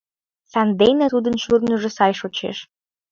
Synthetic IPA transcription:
sænd̪ejnæt̪ud̪ə̆nɕyrnə̆ʒĕsɑjʃot͡ɕḛʃ

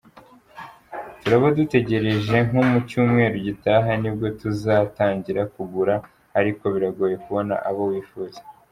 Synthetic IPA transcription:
tuɾaβodute̞ɟe̞ɾe̞ʒe̞ŋ̥umucuːmŋe̞ːɾuɟitaːɦanib̚ɡo̞tuzaːtaːɲɟiɾakuɡuɾaː | ɾiko̞βiɾaɡoje̞kuβo̞na̰ʔaβowiːfuːze

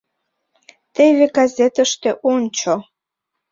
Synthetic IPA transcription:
t̪eβeɡazʲet̪ə̆ʃt̪eʔonʲt͡ɕo

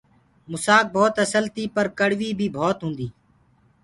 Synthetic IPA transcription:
mʊsaːk̚bʱoːt̪əsəlt̪iːpəɾkəɽʋiːbʱiːbʱoːt̪ɦʊ̃ːnd̪iː

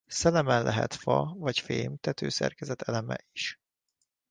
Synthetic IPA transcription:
sɛlɛmɛnlʔɛɦɛ̰t̪fɒvɒcfeːmt̪ɛt̪øːsɛ̰rkɛzɛt̪ʰɛlɛmɛ̰ʔiʃ

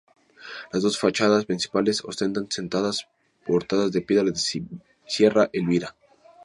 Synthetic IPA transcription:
lazðo̞sfat͡ʃaðaspɾinsi̥paleso̰st̪ent̪ansent̪aðas | po̞ɾt̪aðazðepje̞ðɾaðes | sje̞raʔelβiɾa

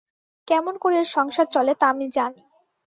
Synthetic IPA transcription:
kɛmonkoɾeɾʃɔŋʃad̪̚t͡ɕɔlet̪amid͡ʑani

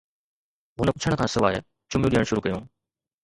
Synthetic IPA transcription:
ɦʊnəpʊt͡ʃʰəɽ̃̆kʰãːsɪʋaːɦḛː | t͡ɕʊmjũɗiəɽ̃ʃʊɾukɐjõː

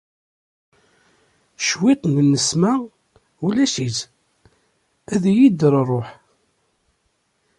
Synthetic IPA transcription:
ʃwɪt̪ˤnənəsmæ | ulæʃit͡s | æðæjid̪ɾrˤːoħ

